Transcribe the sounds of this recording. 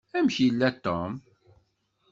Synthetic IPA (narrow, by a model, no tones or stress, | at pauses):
æmçjəlːæt̪ːo̰m